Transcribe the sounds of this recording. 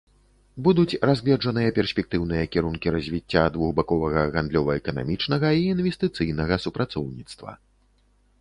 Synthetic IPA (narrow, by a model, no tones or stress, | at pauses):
bud̪ut͡sʲrazʲlʲɛd͡ʐɐnɨjɐpʲɛrsʲpʲɛk̚t̪ɨwnɨjɐkʲiɾunkʲiɾɐzʲvʲit͡sʲːad̪vuɣbakɔvɐɣɐɣand̪lʲɔvɐɛkɐna̰mʲit͡ʂnɐɣɐiːnvʲɛst̪ɨt̪sɨjnɐɣɐsupɾat̪sɔwnʲit̪st̪vɐ̰